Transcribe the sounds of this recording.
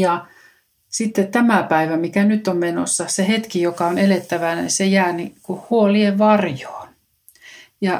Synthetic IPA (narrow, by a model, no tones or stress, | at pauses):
jɑ | sit̪ːett̪æmæpæiʋæmikænyt̪ːommeno̰sːɑsehet̪kijokɑonelet̪ːæʋænḭsejæːnikuhhuolieʋʋɑrjo̥ːn | jɑ